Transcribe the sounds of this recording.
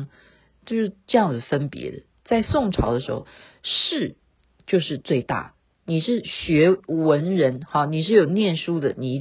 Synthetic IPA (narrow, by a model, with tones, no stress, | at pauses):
t͡ɕo˥˧ʊʂɻ̩˥˧˩ʈ͡ʂɤ˥˧jɑ˥˩ŋd͡z̩˩fə˥npjɛ̰˧˥d̪ə̰˨ | t͡sa˥˧ɪsʊ˥˩ŋʈ͡ʂʰɑ˧˥ʊd̪ə˧ʂɻ̩˧˥xo̰˧ʊ | ʂɻ̩˥˧ | t͡ɕjo˥˧ʊʂɻ̩˥˧t͡swe˥˧ɪt̪a̰˥˩ | ni˨˩ʂɻ̩˥˩ɕɥɛ˧˥wə˧˦˥nɻə˧˥nxɑ˥˧ni˨˩ʂɻ̩˥˩jo˨˩ʊnjɛ˥˩nʂu˥d̪ə˨ni˨˩i˧˥